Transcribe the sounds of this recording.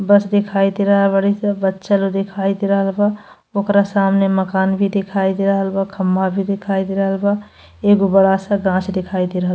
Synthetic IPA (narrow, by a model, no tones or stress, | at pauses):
bəsd̪ɪkʰaːid̪iɾəɦəlbəɽisə̃bətːʃəlod̪ɪkʰaːid̪iɾəɦəlba | oːkɾasaːmneməkaːnbʱid̪ɪkʰaːid̪iɾəɦəlbakʰəmːabʱid̪ɪkʰaːid̪iɾəɦəlba | eːɡobəɽasəɡãːt͡ʃʰd̪ɪkʰaːid̪iɾəɦəl